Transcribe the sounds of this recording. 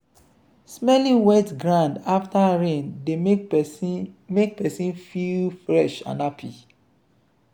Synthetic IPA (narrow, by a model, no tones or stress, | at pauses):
smɛlĩwɛtɡɹãndaftaɹẽnde | mek̚pɛsĩnfilfɹɛʃã̰napʰḭ